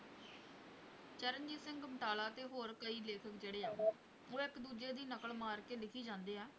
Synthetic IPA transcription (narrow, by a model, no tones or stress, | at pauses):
t͡ʃəɾənd͡ʒiːsɪ̃ŋɡməʈaːlaːt̪eːɦoːɾkəiːleːkʰək̚d͡ʒeːɽeːaː | oːɪkd̪uːd͡ʒeːd̪iːnəkəɭmaːɾkeːlɪkʰiːd͡ʒãːnd̪eːɛː